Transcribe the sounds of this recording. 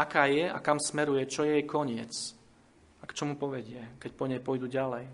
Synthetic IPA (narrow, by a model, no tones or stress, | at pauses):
akaːjɛa̰kamsmɛɾujɛt͡ʃɔjɛjkɔɲɪɛ̰t͡s | akt͡ʃɔmupɔʋɛɟɪɛkɛc̚pɔɲɛjpɔjd̪uːɟalɛj